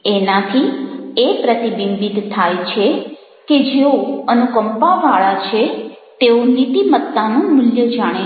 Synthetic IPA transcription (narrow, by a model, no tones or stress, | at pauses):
enãt̪ʰiepɾət̪ibimbit̪t̪ʰːajt͡ʃʰe | ked͡ʒeoənukəmpaʋaɭat͡ʃʰet̪eonit̪imət̪ːanũmʊljəd͡ʒaɽ̃e